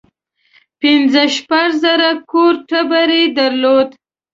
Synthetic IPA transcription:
pɪnzəʃpaʐzəɾakoɾʈəbaɾed̪aɾlod̪

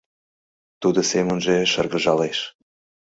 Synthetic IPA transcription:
t̪ud̪osemənʒeʃərɣəʒɑleʃ

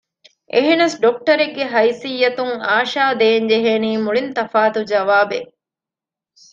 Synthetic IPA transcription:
ʔeɦenɐsɖok̚ʈɐɾeɡːeɦɐjsijːɐt̪uŋaːʃaːd̪eːɲd͡ʒeɦeːniːmuɭint̪ɐfaːt̪ud͡ʒɐʋaːbe

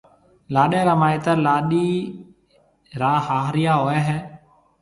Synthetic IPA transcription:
laːɗẽːɾaːmaːiːt̪aːlaːɗiː | ɾaːɦaːɦɾɪjaːɦoːɛːɦɛː

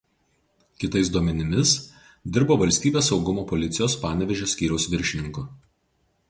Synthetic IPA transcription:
kʲɪt̪ɐɪs̬d̪uɔmʲɛnʲɪmʲɪs | d̪ʲɪɾboːʋɐlʲsʲt̪ʲiːbʲeːsɒʊɡʊmoːpɔlʲɪt̪sʲɪjoːspɑːnʲɛʋʲɛʒʲosʲkʲiːɾʲɛʊsʋʲɪɾʲʃʲɪnʲɪŋkʊ

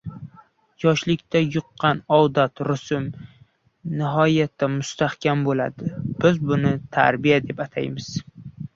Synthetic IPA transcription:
jɒʃlɪkʲt̪ʰajʊqːɑnɒwd̪at̪ɾʊsʊm | nɪɦɒjat̪ʰːamʊst̪ahkʲʰambola̰d̪ɪb̥ɪzbʊnɪt̪ʰa̰ɾbijad̪e̞pat̪ʰajmɪz̥

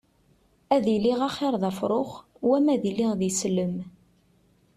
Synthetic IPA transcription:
æðiliʁaχɪɾˤðæfɾˤoχ | wæmæðiliʁðislːəm

